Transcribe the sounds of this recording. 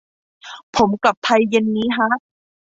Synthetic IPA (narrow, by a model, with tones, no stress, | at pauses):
pʰo˩˦mkla˨˩p̚t̪ʰa˧jːe˧nːiː˦˥kʰa˦˥ʔ